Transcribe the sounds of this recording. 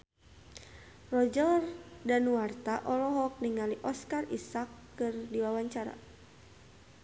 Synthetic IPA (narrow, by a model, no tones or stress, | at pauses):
rɔd͡ʒɔrdanuwart̪aʔɔlɔɦɔk̚niŋaliʔɔskarisakːɨrdiwawaɲt͡ʃaɾa̰